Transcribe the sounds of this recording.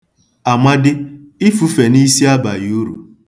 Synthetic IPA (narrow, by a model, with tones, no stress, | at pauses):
a˨ma˦dɪ˦ | ɪ˦fu˦fe˨ni˦si˦a˦ba˨jo˦ɾṵ˨